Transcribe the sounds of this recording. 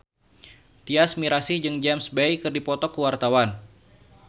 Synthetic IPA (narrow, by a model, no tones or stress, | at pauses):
t̪iasmiɾasɪhd͡ʒɨŋd͡ʒɛmsbɛjkɨrdipɔt̪ɔkəwart̪awan